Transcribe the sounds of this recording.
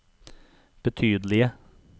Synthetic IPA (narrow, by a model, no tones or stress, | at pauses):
b̥ət̪ʰyːd̪lɪə